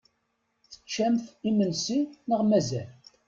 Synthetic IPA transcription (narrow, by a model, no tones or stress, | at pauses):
θə̥t͡ʃːæmθimənsinəʁmæzæl